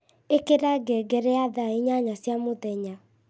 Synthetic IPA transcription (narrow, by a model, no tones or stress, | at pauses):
ekeɾaɡɛɡɛɾɛaðaiɲaɲasjamoðɛɲa